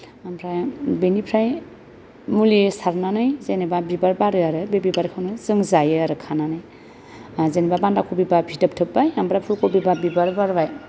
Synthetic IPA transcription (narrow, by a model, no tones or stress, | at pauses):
amɾabinipʰɾaj | mulisaɾnanɯjzenebabibaɾbaɾɯaɾɯbebibaɾkʰanuzɯŋzajɾɯkʰananɯj | zenebabandakʰubibabʰʱitəp̚ʈʰɯbbajɦamɾapʰukobibabibaɾbaɾbaj